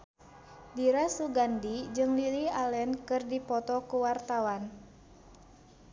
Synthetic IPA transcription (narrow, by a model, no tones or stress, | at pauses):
diɾasuɡandid͡ʒɨŋlilialɛnkɨrdipɔt̪ɔkuwart̪awan